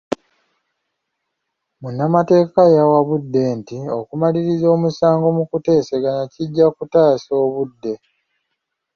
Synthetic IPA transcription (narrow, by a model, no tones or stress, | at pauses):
munːamate̞ːkajawaβudːe̞ːntiokumaliɾizo̞ːmusaːŋɡo̞mukute̞ːse̞ɡanaciɟːakutaːso̞ːβudːe̞